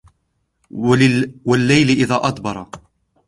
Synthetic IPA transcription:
walːajlɪʔɪðaːʔɑt̪ˤbɑɾˤɑ

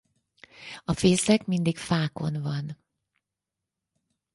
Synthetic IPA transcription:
ɒfeːsɛkmind̪ikfaːko̞̰nvɒn

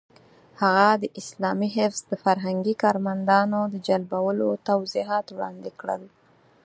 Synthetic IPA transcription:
haɣad̪əʔɪslɑmiɦɪfz̥d̪əfaɾɦaŋɡikɑɾmand̪ɑnod̪əd͡ʒalbawəlot̪awziɦɑt̪wɽɑ̰nd̪ekɽə̰l

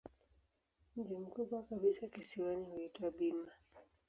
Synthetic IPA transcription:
m̩d͡ʒim̩kuɓwakaɓisakisiwanihuitwaɓima

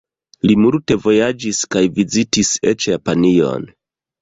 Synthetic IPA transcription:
limulte̞vo̞jad͡ʒiskajvizitiset͡ʃjapanio̰n

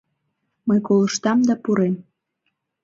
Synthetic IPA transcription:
məjkoləʃt̪ɑmd̪ɑpuɾem

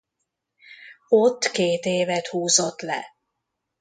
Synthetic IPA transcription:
ot̪ːkeːt̪eːvɛt̪huːzot̪lɛ̰

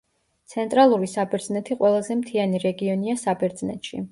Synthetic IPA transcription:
t̪sʰɛnt̪ʼɾalˠuɾisabɛɾd̪znɛt̪ʰiqʼwɛlˠazɛmt̪ʰianiɾɛɡiɔniasabɛɾd̪znɛ̰t̪ʃḭ

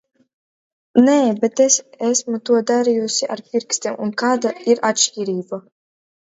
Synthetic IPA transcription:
neːbet̪esæsmut̪uɔd̪aɾijusʲiʔaɾpʲiɾkst̪ʲiɛmʔunkaːd̪aiɾat̪ʃiːɾiːba

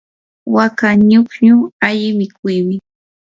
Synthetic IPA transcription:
wakaɲʊkɲʊaʎɪmɪkʊjmɪ

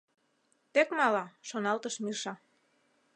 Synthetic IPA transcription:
t̪ekmɑlɑʃonɑlt̪əʃmirʃɑ

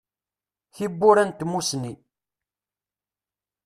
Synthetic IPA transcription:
çibːuɾænt̪musni

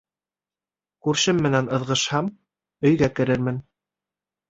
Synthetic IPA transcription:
kʉɾʃɘmːɘ̆nænɤ̆ðʁɤ̆ʃhɑm | ɵ̆jɡækɘ̆ɾɘɾmɘn

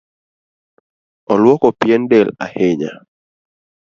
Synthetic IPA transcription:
ɔlwɔkɔpjɛndɛla̰heɲa̰

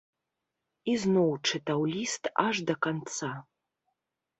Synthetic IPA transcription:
iznowʈ͡ʂʰɨtawlʲistʰaʐd̪ɐkant͡sʰa

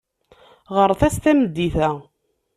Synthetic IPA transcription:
ʁəɾθæst̪æməd̪ːiθæ

